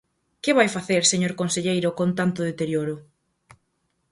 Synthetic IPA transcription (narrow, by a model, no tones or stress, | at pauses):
kɪβajfaθeɾseɲoɾkonseʎejɾʊkont̪ant̪ʊðet̪eɾjoɾʊ